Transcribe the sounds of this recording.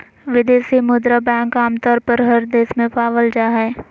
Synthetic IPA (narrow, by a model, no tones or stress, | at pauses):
ʋɪd̪eːsimʊd̪ɾabɛ̃ːŋkaːmt̪ɔːɾpəɾɦɐɾd̪eːsmẽpaːʋəld͡ʒaːɦɛː